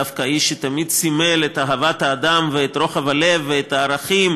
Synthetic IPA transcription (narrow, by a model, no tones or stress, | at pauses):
afkaiʃet̪amid̪̚t͡simelet̪aɦavat̪haːd̪amveet̪ɾo̞χavalevːeet̪aːɾaχim